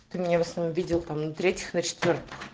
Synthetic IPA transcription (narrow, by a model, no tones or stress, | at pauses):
t̪ɨmʲɪnʲavəsnɐomvʲidʲɪlˠt̪amnət̪ɾʲetʲjɪxnət͡ɕɪ̥t̪vʲort̪ɨ̥x